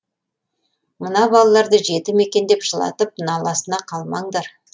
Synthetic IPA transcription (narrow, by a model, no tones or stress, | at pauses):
mənɑbɑlˠɑlˠɑɾd̪əʒe̞t̪ɪme̞kʲe̞nd̪e̞pʒəlˠɑ̰t̪əp̚nɑlˠɑsənɑqʰɑlˠmɑɴd̪ɑɾ